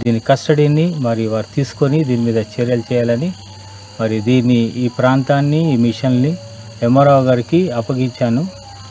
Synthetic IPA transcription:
d̪iːnːikɐsʈɐɽiːnimɐɾiuʋaːɾut̪iːsu̥konid̪iːnimiːd̪ɐt͡ʃeɾjɐlt͡ʃɛːjaːlɐni | mɐɾiud̪iːnːiiːpɾaːnt̪aːnːiːmiʂɐnni | emɐɾaːwɡaːɾikiɐpɐɡiɲt͡ʃaːnu

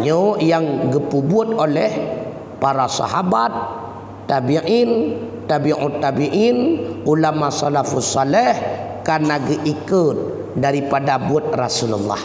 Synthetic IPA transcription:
ɲojaŋɡipubʊt̪olɛh | paɾasɑ̰ɦabat̪̚ː | abiʔint̪abiʔut̪abiʔinʔulamasalafusːɑlɛh | kanaɡəʔikut̪̚ | daɾipadabuət̪̚ra̰sululːɑ̰h

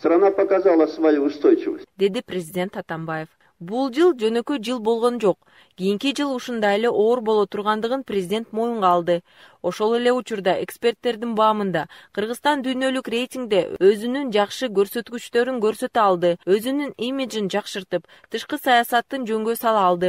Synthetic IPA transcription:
st̪ɾɑnɑpɑkɑzɑlˠɑsvɑjuuʃt̪ojt͡ʃuvɯsd̪e̞d̪iprʲezʲɪdʲe̞nt̪ɑt̪ɑmbɑje̞f | bulˠd͡ʒɯlˠd͡ʒø̞nø̞kø̞jd͡ʒɯlˠbo̞lˠʁo̞nd͡ʒo̞q | ɡ̥ʲijiŋkid͡ʒɯlˠuʃund̪ɑjele̞ʔo̞ːɾbo̞lˠo̞t̪ʰuɾʁɑnd̪ɯʁɯnprʲɪzʲɪdʲe̞nt̪mo̞juɴʁɑːlˠd̪ɯ | o̞ʃo̞lˠe̞le̞ut͡ʃuɾd̪ɑe̞kspʲe̞rt̪ːe̞ɾd̪inbɑːmɯnd̪ɑqʰɯɾʁɯst̪ɑnd̪yjnø̞lykrʲe̞jtʲiŋɡd̪e̞øzynynd͡ʒɑqʃɯɡø̞ɾsø̞t̪kyt͡ʃt̪ø̞ɾyŋɡø̞ɾsø̞t̪øɑlˠd̪ɯø̞zynynimʲid͡ʒind͡ʒɑqʃɯɾt̪ɯp | t̪ʰɯʃqɯsɑjɑsɑt̪ːɯnd͡ʒø̞ŋɡø̞sɑlˠɑːlˠd̪ɯ

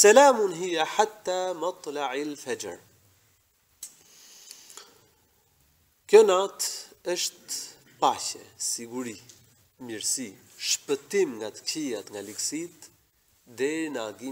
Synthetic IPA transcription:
sɛlaːmunɦijaħat̪ːamɑt̪ˤlaʕilfɛd͡ʒ̰ɾ | kjɔnat̪əʃt̪ | paʃɛ̰siɡuɾi | miɾsi | ʃpət̪imŋɡat̪ə̥kijat̪ŋɡaliksit̪ | d̪ɛɾinaɡi

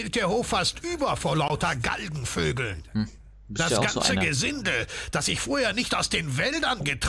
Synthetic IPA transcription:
ɪlt̚d̥eːɐɦoːfastʔyːbɐfoɐlaʊtɐɡa̰lɡŋ̩føːɡl̩n | d̥asɡ̥ant͡səɡəzɪndəd̥asɪçfoːɐheːɐnɪçtaʊsd̥eːnvɛldɐnɡətʁ

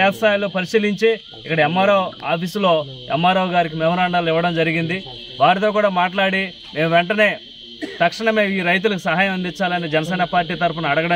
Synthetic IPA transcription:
ɛːt̪ɐst̪aːjloːpɐɾisiːliɲt͡ʃe | ikːɐɽɐɛmːaːɾɐwaːpʰislo̞ːɛmːaːɾɐʋɡaːɾik̬imɛmɐɾaːɳɖaːloiʋːɐɽɐmd͡ʒɐɾiɡind̪i | ʋaːɾit̪oːk̬uːɽaːmaːʈ̬laːɽi | me̞ːmuʋɛɳʈɐne̞ː | t̪ɐkʂɐɳɐme̞ːiːɾɐjt̪̬ulɐkusɐɦaːjɐmɐnd̪it͡ʃːaːlɐned͡ʒɛnɐsɛːnɐpaːɾʈ̬iːt̪ɐɾp̬ɐnɐɐɽɐɡɐɽɐ

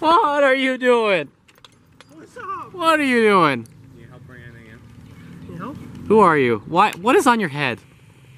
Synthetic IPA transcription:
wʌɾə˞jɨduɪ̃ŋ | wʌɾə˞jɨduɪ̃ŋ | huə˞jʉwaɪwʌɾɨzn̩jə˞ɦɛd̥

